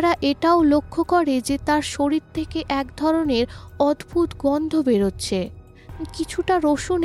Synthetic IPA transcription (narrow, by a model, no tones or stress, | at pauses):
ɾaʔeʈaolokʰːokɔɾed͡ʑet̪aɾʃoɾiɾt̪ʰekeʔɛkd̪ʱɔɾoneɾɔd̪bʱut̪ɡɔnd̪ʱobeɾotːɕʰe | kit͡ɕʰuʈaɾoʃon